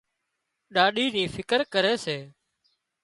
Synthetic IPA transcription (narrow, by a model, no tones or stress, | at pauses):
ɗaːɗiːnĩːfʰɪkəɾkəɾeːseː